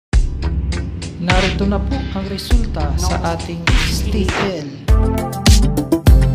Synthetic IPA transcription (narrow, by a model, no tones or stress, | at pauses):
naɾit̪unapukaŋɾɛsult̪asa̰ʔat̪iŋst̪iʔɛl